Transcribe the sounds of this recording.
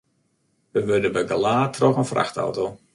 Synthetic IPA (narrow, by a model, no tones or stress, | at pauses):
ʋəʋørdəbəɡəlaːtʰrɔxənfra̰xta̰wtow